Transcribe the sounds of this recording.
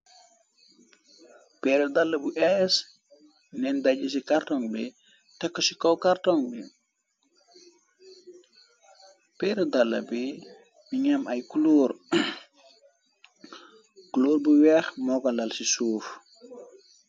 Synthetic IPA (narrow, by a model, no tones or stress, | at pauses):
pɛɾɛdalːɐbuʔɛs | nɛndaɟis̬ikartɔŋbḭ | tɛkːɔsikɔwkartɔŋbi | pɛːɾɛdalːɐ̰bi | miɲamajkuluːɾ | kuluːɾbuwɛːxmɔkalalsisuːf